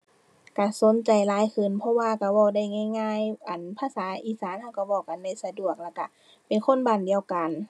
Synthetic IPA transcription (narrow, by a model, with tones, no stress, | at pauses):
ka˧˩so˨˦nt͡ɕa˨jlaː˨˧˦jkʰɯ˧˩˨npʰɔ˧˥waː˧ka˧˩bɔː˧˩da˧˩˨jŋaː˧˩˨jŋaː˧˥˨jʔa˨˩npʰaː˧˥˨saː˨˦ʔiː˧˨saː˨˦nha˧˩wka˧˩bɔː˧˩ka˨nda˧˥˩jsa˧du˧˨˩ək̚lɛː˧˩kːa˧˩ | pe˨nkʰo˧˥˨nbaː˨˩˨ndi˨˧əwka˨n